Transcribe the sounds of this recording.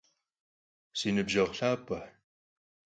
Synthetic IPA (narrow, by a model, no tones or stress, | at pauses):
sinɨbʒɐʁɬaːpʼɐħ